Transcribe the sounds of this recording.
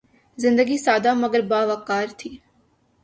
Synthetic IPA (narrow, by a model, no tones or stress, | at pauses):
zɪ̃nd̪əɡisaːd̪aːməɡəɾbaːʋakaːɾt̪ʰiː